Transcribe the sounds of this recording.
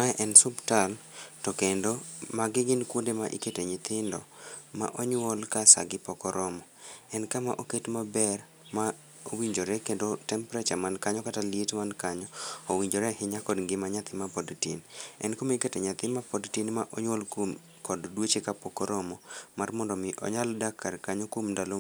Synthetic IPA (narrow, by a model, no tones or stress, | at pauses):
maʔɛnsʊbtaltɔkendɔmaɡɪɡɪnkwondemaʔḭketeɲɪt̪ɪndɔma̰ʔɔɲwɔlkasa̰ɡɪpɔkɔɾɔmɔ | ɛnkama̰ʔoketmabɛr | ma | owiɲd͡ʒoɾɛkendotɛmpɾɛt͡ʃamankaɲɔkatalietmankaɲɔowiɲd͡ʒoɾɛhɪɲakɔdŋɡɪmaɲat̪ɪmapɔdtinɛ̰nkomiketɛɲat̪ɪmapɔdtinmaʔoɲwɔlkwom | kɔddwot͡ʃekapɔkɔɾɔmɔmarmɔndɔmɪʔɔ̰ɲaldakːarkaɲokwomndalo